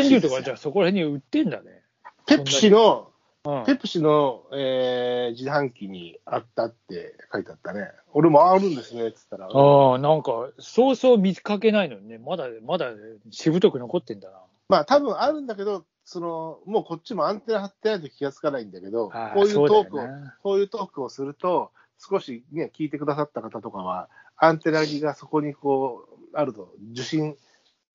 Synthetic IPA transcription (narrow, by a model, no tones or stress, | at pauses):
ẽɨːt̪o̞kad͡ʑaːso̞ko̞ɾahẽ̞ɲ̟ːɯ̟t̪ːẽ̞nd̪a̰ne̞̰ | pe̞opnːɯ̟aɕino̞ | ɯ̟̃ːpe̞pːɯ̟ɕino̞eːd͡ʑiɦãŋkʲiɲ̟iat̪ːat̪ːe̞̰kait̪eat̪ːane̞ | o̞ɾe̞moaɾɯ̟̃nd̪e̞sɨnet͡sɨ̥t̪ːaɾaɯ̃ːnãŋkaso̞ːso̞ːmʲit͡sɨ̥kake̞naino̞d̪enemad̪amad̪a | ɕibɯ̟t̪o̞kɯ̟no̞ko̞t̪ːẽ̞nd̪ana | maːt̪abɯ̟̃ɰ̃aɾɯ̟̃nd̪ak̬e̞d̪o̞ | so̞no̞mo̞ːko̞t͡ɕːimo̞ãnt̪e̞naɦat̪ːe̞nait̪okʲiɡat͡sɨ̥kanaĩnd̪ake̞d̪o̞hakoːjsɯoːd̪eoːkɯoko̞ːjɯ̟ːt̪o̞ːkɯ̟o̞sɨɾɯ̟t̪o̞ | sɨ̥ko̞ɕine̞kʲiːt̪e̞kɯ̟d̪as̬at̪ːakat̪at̪o̞kaβa̰ | ãnt̪e̞naɡʲiɡaso̞ko̞ɲ̟iko̞ːaɾɯ̟t̪od͡ʑɨɕĩɴ